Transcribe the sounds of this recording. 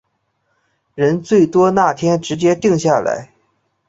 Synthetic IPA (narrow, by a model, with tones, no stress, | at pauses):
ɻə˧˥nt͡swe˥˩ɪt̪wɔ˥na˥˩t̪ʰjɛ˥nʈ͡ʂɻ̩˧˥t͡ɕjɛ˥t̪i˥˧ŋɕja˥˩la̰˧˥ɪ